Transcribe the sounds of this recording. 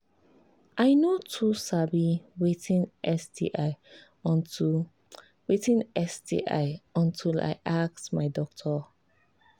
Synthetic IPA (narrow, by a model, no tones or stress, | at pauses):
ʔaɪnotʰusadliwitĩnʔɛsdḭʔaɪ | witĩnɛsdḭʔa̰ɪɔ̃ntʰila̰ɪʔak̚tmaɪdɔk̚tʰɔ